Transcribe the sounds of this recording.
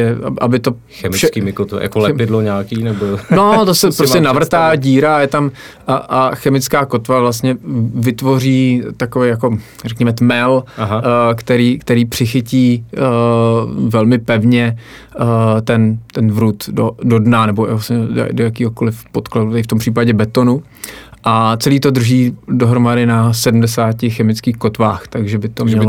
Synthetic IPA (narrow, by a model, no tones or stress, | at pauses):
ɛa̰ʔa̰bɪt̪o̞ | xɛmɪʃɛkimɪkot̪v̰ja̰kolɛpɪdloɲaːkiːnɛbonot̪osɛppɾoɛnavr̩t̪aːɟiːɾajɛt̪am | ʔaxɛmɪt͡skaːko̞t̪vavlas̬t̪ɲɛvɪt̪vo̞riːt̪akovɛjako̞ | rɛkɲɛmɛt̪mɛlɦakt̪ɛɾiːkt̪ɛɾiːpr̥ɪxɪciː | vɛlmɪpɛvɲɛ | t̪ɛnt̪ɛnvɾut̪dodo̞dnanɛbo̰asɲɛdo̰dojakiːɦo̞ko̞lɪfpo̞t̪kladut̪ɛɾɪft̪o̞mpr̥iːpaɟɛbɛt̪o̞nu | ʔat͡sɛliːt̪o̞d̪r̩ʒiːdoɦɾomadɪnasɛdm̩dɛsaːcɪxɛmɪt͡skiːxko̞t̪vaːxt̪aɡʒɛbɪt̪omɲɛlo